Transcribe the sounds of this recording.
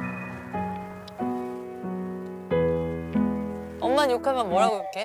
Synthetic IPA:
ʌmːaɲjokʰamjʌnmoɾaɡoik͈e

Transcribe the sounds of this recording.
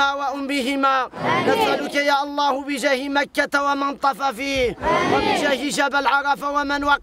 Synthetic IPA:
aːwaʔʊmbɪɦɪmaːnad̪ʔalʊkajaːʔɑlˤːɑːhʊbɪʒahɪmakːat̪awamɪnt̪ˤɑfafiːhwabɪʒahɪʃabalʕɑɾˤɑfawamɪnwɑq

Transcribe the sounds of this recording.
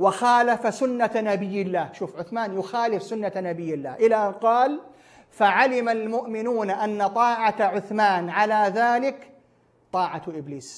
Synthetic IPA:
wɪxaːlafasʊnːanabɪjːɪlːaːhʃuːfʕʊθmaːnjʊxaːlɪfsʊnːanabɪjːɪlːaːhʔɪlaʔanqɑːl | faʕalɪmalmʊʔmɪnuːnʔanːat̪ˤɑːʕaʕʊθmaːnʕalaðaːlɪk | t̪ˤɑːʕaʔɪbliːs

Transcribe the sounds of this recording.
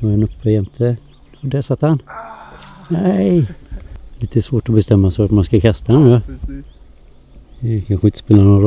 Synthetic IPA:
ɔɾhanɵpːəjɛnt̪ʰə | ɔdɛæsat̪ːhan | næɪ | liːt̪əsvoːʈɔbɛst̪ɛmːasat̪manskakʰast̪ahanjœ | ɛkʰanɧəɪnt̪ə̥speːlanɔnɾ

